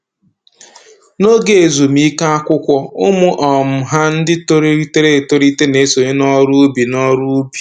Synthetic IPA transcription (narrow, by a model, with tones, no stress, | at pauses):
no˦ɡe˨e˨zu˨m˦i˦ka˦a˦kʷʊ˦kʷɔ˦ʊ˦mʊ˦ʔɔ˨m̩˨ɦa˦n̩˦dɪ˦to˦ɾi˦te˦ɾe˦˨to˦ɾi˦te˦ne˨˦so˨ɲe˦nɔ˦ɾu˦bi˨nɔ˦ɾu˦bi˨